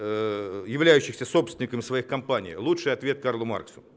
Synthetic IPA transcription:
jɪvlʲæjʉɕːɪxsʲəso̞psʲɪnʲɪkəmʲɪsvɐixkɐmpanʲɪ̰jlˠutʂɨjɐt̪vʲe̞t̪̚karlˠʊma̰rksʊ̥

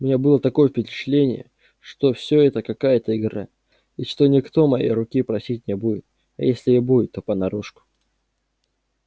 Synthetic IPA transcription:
ʊmʲɪnʲabɨlˠət̪ɐko̞jəfʲpʲɪɪt͡ɕɪ̥t̪lʲenʲɪ̰jə̰ | ʂt̪o̞fsʲoɛt̪əkɐkajət̪əɪɡɾa̰ | iʂt̪o̞nʲɪkt̪o̞mɐjḛjɾʊkʲipɾɐsʲit̚ʲnʲɪbujɪt̪̚ | ɐ̰jesʲlʲɪjabuɪt̪ːo̞pənɐɾuʂkʊ̥

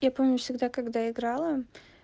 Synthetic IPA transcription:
japo̞mnʲʊfsʲɪɡd̪akɐɡd̪aɪɡɾalˠə

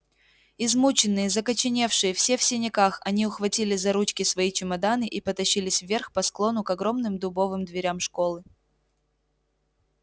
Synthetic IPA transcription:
ɪzmut͡ɕɪnːɨjəzəkət͡ɕɪnʲe̞fʂɨjəfsʲe̞fsʲɪnʲɪkaxɐnʲiʊxvɐtʲilʲɪzɐɾut͡ɕkʲɪsvɐit͡ɕɪmɐd̪anɨʔipət̪ɐɕːilʲɪsʲvvʲerxpɐsklˠo̞nʊkɐɡɾo̞mnɨmd̪ʊbo̞vɨmd̪vʲɪɾʲamʂko̞lˠɨ

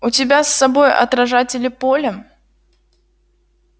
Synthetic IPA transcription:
ʊtʲɪbʲasːɐbo̞jɐ̰t̪ɾɐʐatʲɪlʲɪpolʲə

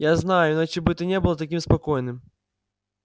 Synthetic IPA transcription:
jaznajʊɪnat͡ɕɪbɨɛt̪ənʲebɨlˠət̪ɐkʲimspɐkojnɨm

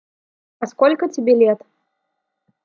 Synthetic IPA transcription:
ɐskɔlʲkət͡sʲɪbʲelʲɛt̪

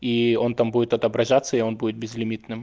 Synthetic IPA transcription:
io̞nt̪ambudʲɪt̪ɐt̪ɐbɾɐʐat̪səɪo̞nbudʲɪt̪̚bʲɪzlʲɪmʲit̪nɨm

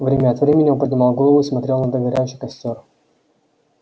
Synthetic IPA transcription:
vɾʲemʲɛɐt̪vɾʲemʲɪnʲɪɔpəd̪ʲnʲɪmɑlˠɡolˠəvʊismɐt̪ɾʲelˠnɐd̪əɡʲɐɾʲæjʲɪɕɪkɐsʲt̪ʲor

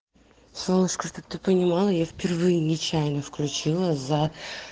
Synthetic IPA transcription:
slˠonəʂkət̪ɨk̚t̪ɨpənʲɪmɑlˠəjafʲpʲɪrvɨjɪnʲɪt͡ɕæjnəfklʲʉt͡ɕilˠəza

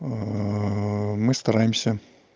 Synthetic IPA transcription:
mɨst̪ɐɾajɪmsʲə

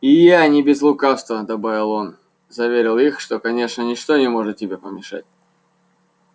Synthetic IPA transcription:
ɪjanʲɪbʲɪzlˠʊkafst̪vəd̪ɐbavʲɪlˠo̞n | zɐvʲeɾʲɪlˠixʂt̪o̞kɐnʲe̞ʂnənʲɪʂt̪o̞nʲɪmo̞ʐɨt̪̚tʲɪbʲepəmʲɪʂa̰tʲ

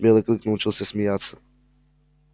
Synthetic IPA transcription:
bɛlɛklˠiknaut͡ʃilˠsɛsmijat̪sḁ

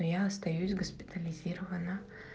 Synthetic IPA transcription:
ojæɐst̪ɐjusʲɡɐsʲpʲɪ̥t̪ʰɐlʲɪzʲiːɾɐvɐnɐ

